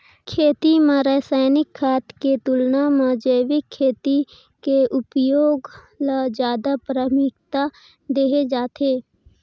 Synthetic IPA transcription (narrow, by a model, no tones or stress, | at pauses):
kʰeːt̪imãɾəːsaːɪnɪkʰːaːt̪ket̪ʊlnamãd͡ʒeːʋɪkʰːeːt̪i | keʊpjoːɡ | lad͡ʒjaːd̪apɾəmɪkt̪a | d̪eːɦed͡ʒaːt̪eː